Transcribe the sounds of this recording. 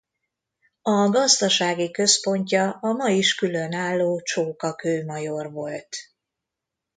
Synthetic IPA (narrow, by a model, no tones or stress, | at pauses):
ɒɡɒzd̪ɒʃaːɡikø̞spo̞ɲcɒɒmɒjiʃkylø̞naːlːoːt͡ʃoːkɒkøːmɒjo̞rvo̞lt̪